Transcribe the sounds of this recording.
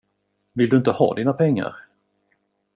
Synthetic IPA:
vɪld̪ɵɪnt̪əhɑ̰ːd̪iːnapʰɛŋːa̰ɾ

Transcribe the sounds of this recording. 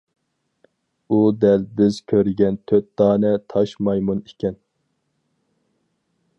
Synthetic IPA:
ud̪ɛlbɪz̥kʲʰøɾɪɡʲɛnt̪ʰøt̪̚d̪̥ɑːnɛt̪ʰɑʃmɑjmunikʲɛn

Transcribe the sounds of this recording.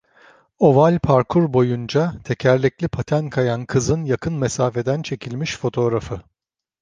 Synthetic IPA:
o̞valʲpʰaɾkʰuɾbo̞jund͡ʒat̪ʰe̞cʰæɾlʲɛclʲipʰat̪ʰænkʰajankʰɯzɯnjakʰɯnmesaːfe̞d̪ænt͡ʃʰe̞cʰilʲmiʃfo̞t̪ʰo̞ɾafɯ

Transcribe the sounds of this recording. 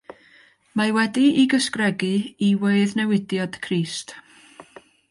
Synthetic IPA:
mawɛdiiɡəskrɛɡɨiweɨðnɛwɪdjad̥kʰriːst

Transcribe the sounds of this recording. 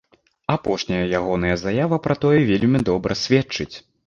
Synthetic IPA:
apɔʂnʲɐjɐjaɣɔnɐjɐzajavɐpɾɐt̪ɔjɛvʲelʲmʲid̪ɔbɾʔɐsʲvʲɛt͡ʂɨt͡sʲ

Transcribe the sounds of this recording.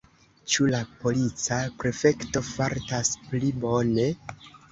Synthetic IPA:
t͡ʃulapo̞lit͡sapɾe̞fe̞kto̞faɾtasplibo̞ne̞

